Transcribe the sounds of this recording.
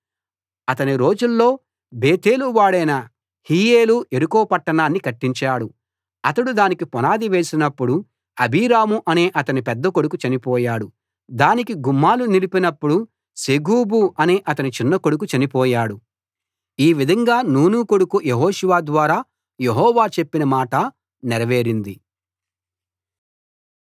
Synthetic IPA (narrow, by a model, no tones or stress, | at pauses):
ɐt̪ɐniɾo̞ːd͡ʒulːo̞ː | beːt̪e̞ːluʋaːɽɐjnɐ | hiːjeːluʔe̞ɾukɔːpɐʈːɐɳaːnːikɐʈːiɲt͡ʃaːɽu | ɐt̪ɐɽud̪aːnikipɔnaːd̪iʋe̞ːsinɐpːuɽu | ɐbʱiːɾaːmuʔɐne̞ːʔɐt̪ɐnipɛd̪ːɐkoɽukut͡ʃɐnipɔːjaːɽu | d̪aːnikiɡumːaːlunilipinɐpːuɽu | seɡuːbuʔɐne̞ːʔɐt̪ɐnit͡ʃinːɐkoɽuk̬ut͡ʃɐnipɔːjaːɽu | iːʋid̪ʱɐŋɡaːnuːnukoɽukujeɦoːʃuʋaːd̪ʋaːɾaː | jeɦɔːʋaːt͡ʃe̞pːinɐmaːʈɐ | nɛɾɐʋe̞ːɾind̪i